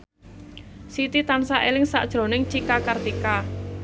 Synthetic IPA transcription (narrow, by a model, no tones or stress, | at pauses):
sit̪it̪ansaʔelɪŋsa̰ʔd̥ʒ̥ɾo̤nɪŋt͡ʃikakərt̪ika